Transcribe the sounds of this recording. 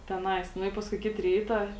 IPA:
tʲɛˈnɐɪs ˈnʊ ɪ ˈpɑːskʊɪ ˈkʲɪt ˈrʲiːtɐ

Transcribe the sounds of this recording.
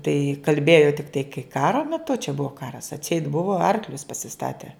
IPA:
tɐɪ kɐlʲˈbʲeːjoː tʲɪkˈtɐɪ kɐɪ ˈkɑːroː mʲɛˈtʊ t͡ʃʲɛ ˈbʊʋoː ˈkɑːrɐs ɐtʲˈsʲɛɪt ˈbʊʋoː ˈɐrklʲʊs pɐsʲɪˈstɑːtʲɛ

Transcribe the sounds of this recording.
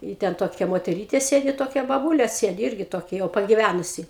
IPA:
ɪ ˈtʲɛn ˈtoːkʲɛ moːtʲɛˈrʲiːtʲeː ˈsʲeːdʲɪ ˈtoːkʲɛ bɐˈbuːlʲeː ˈsʲeːdʲɪ ˈɪrʲɡʲɪ ˈtoːkʲɛ jɛʊ pɐɡʲɪˈʋʲænʊsʲɪ

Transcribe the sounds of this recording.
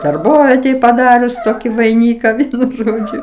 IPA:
dɐrˈboːʋʲiɛtʲɛj pɐˈdɑːrʲʊs ˈtoːkʲɪ ʋɐɪˈnʲiːkɐ ˈʋʲiɛnʊ ˈʒoːd͡ʒʲʊ

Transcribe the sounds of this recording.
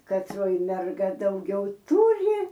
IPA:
kɐtˈroːj mʲɛrˈɡɐ dɐʊˈɡʲɛʊ ˈtʊrʲɪ

